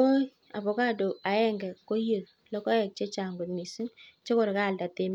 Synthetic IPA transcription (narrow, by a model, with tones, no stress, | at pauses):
o˦ | a˨bɔ˨ka˦do˨a˨ɛ˦ŋɡɛ˨ko˦je˨k | lɔ˦kɔ˦ɛ˨k̚t͡ʃe˦t͡ʃa˨ŋɡɔ˨tmi˨su˦ŋt͡ʃe˦kɔ˨ɾka˦˨lda˨te˦m˦